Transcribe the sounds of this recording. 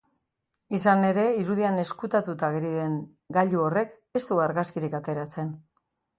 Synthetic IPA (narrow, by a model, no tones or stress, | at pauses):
isane̞ɾe̞iɾuðiane̞skut̪at̪ut̪aɣeɾiðe̞ŋ | ɡaʎuo̞re̞k | e̞st̪uɣaɾɣaskiɾikat̪e̞ɾat͡se̞n